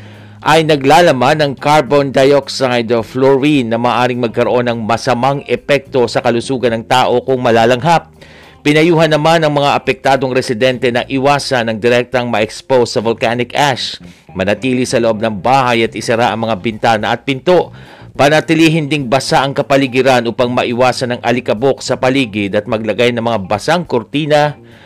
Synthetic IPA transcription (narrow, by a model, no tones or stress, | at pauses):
ʔɐjnɐɡlaːlɐmanːɐŋkaɹbond̪ajoksajd̪floɹinːɐmaːʔaːɾɪŋmɐɡ̚kɐɾoʔo̞nɐŋmɐsɐmaŋɛpɛk̚t̪o̞sɐkɐlʊsuːɡɐnɐŋt̪aːʔo̞kʊŋmɐlaːlɐŋɦap̚ː | ɪnɐjuːɦɐnːɐmanːɐŋmɐŋaʔɐpɛk̚t̪aːd̪o̞ŋɾɛsɪd̪ɛnt̪ɛnɐʔɪwaːsɐnɐŋd̪ɛɾɛk̚t̪ɐŋmɐʔɛkspowsɐvolkanɪkʔaʃ | mɐnɐt̪iːlisɐloʔo̞b̚nɐŋbaːhɐjɐt̪ʔɪsɪɾaʔɐŋmɐŋabɪnt̪aːnɐʔɐt̪̚pɪnt̪o̞ʔ | pɐnɐt̪ɪliːɦɪnd̪ɪŋbɐsaʔɐŋkɐpɐlɪɡɪɾanʔuːpaŋmɐʔɪwaːsɐnɐŋʔɐ̰lɪkɐbo̞ksɐpɐliːɡɪd̪ɐt̪̚mɐɡ̚lɐɡajnɐŋmɐŋabɐsaŋkoɾt̪iːnɐ